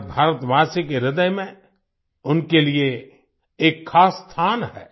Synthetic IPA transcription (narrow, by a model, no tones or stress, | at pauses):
bʱaːɾət̪maːsikeɾɪd̪əjmẽ | ʊnkelie | eːkʰːaːsːt̪ʰaːnɦɛ̰ː